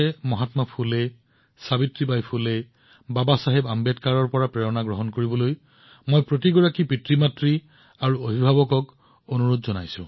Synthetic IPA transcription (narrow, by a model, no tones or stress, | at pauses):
ɛmɔɦatmapʰulɛ | sabitɹibajpʰulɛ | babasaɦɛbambɛtkaɹɔɹpɔɹapɹɛɹɔnaɡɹɔɦɔnkoɹibɔloj | mojpɹot̬iɡɔɹakipɹitɹimatɹi | aɹuobʱibʱabɔkɔk | onuɹotzɔnajsʊ̰̃